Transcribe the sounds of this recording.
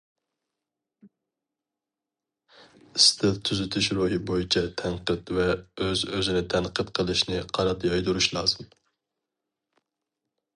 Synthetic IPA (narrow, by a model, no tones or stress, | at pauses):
ɪst̪ʰɪt̪ʰːyzɪt̪ʰyʃɾuɦɨbojit͡ʃʰɛt̪ʰɛnqət̪vɛøzøzɪnɪt̪ʰɛnqət̪qʰəlˠɨʃnɪqʰɑɾɑt̪ʰjɑjd̪uɾuʃlˠɑːzɨm